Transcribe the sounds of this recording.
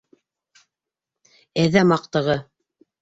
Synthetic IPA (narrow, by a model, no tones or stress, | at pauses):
æðæmɑq̚t̪ɤ̆ʁɤ